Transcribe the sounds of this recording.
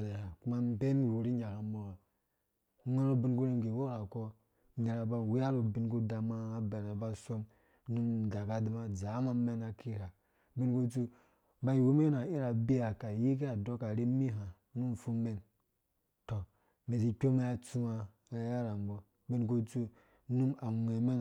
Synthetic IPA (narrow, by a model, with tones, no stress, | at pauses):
le˨ha˨ku˦ma˦m˦be˦n˨wu˨ɾi˦ɲa˨ka˨mo˦ɾa˨˦ | ŋa˦ɾo˦bi˦nku˦ɾe˦n˨ɡi˨wo˦ɾa˨ko˦ | ne˨ɾa˨ba˦˨wi˦ja˦ɾo˨bi˦nku˦da˨ma˦a˦be˨ɾe˨ba˦so˦m | nu˦nda˨ka˦di˦ma˦d͡ʒa˨˦ma˦me˦na˨kʰi˦ha˨ | bi˦nku˦t͡su˦ | ba˦ji˨wu˦m˦e˦na˨i˦ɾa˨bi˦ja˨ka˨ji˦k̬i˦a˨do˦ka˨ɾi˦mi˦ɦa˨ | nu˦m˨fu˦me˦n | to˨ | me˨si˨kʲo˦me˦ja˦˨t͡su˦ma˨˦ | ja˦ɾa˨mbo˦ | bi˦nk̬u˦t͡su˦ | nu˦ma˨ŋe˨me˦n